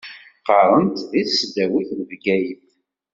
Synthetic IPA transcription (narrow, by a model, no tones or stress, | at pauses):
qɑɾˤənt̪ðiθsd̪æwiθvɡæjəθ